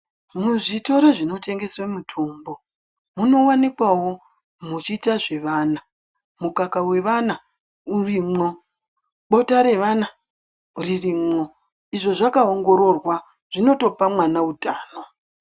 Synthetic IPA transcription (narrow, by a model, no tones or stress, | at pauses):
muʐito̞ɾeʐino̞te̞ŋɡe̞swemutʰoːmbo̞ | muno̞wanikwawo̞ | mut͡ʃiːtaʐe̞ʋaːna | mukakawe̞ʋana | urimŋo̞ | ɓo̞taɾe̞ʋana | uririmo̞ | iʐo̞ʐakaoŋɡo̞ɾo̞rwa | ʐ̥ino̞to̞pamwanaudʱaːno